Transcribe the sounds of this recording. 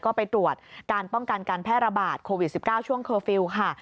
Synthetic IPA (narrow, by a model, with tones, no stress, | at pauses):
kɔː˥˩pa˧jt̪ɾu˨˩ət̪̚kaː˧npɔ˥˩ŋka˧nkaː˧npʰɛː˥˩t̪̚ɾa˧baː˨˩t̪̚kʰoː˧wi˨˩t̪̚si˨˩p̚kaː˥˩wt͡ɕʰu˥˩əŋkʰɤː˧fi˧wkʰa˥˩